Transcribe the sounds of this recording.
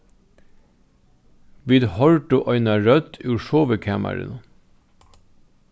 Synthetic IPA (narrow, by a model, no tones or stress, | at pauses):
ʋiːd̪hɔɹʈʊʔœʏnɑɾœd̪ʉːʃoːʋəkʰæːmæ̰ɾə̰n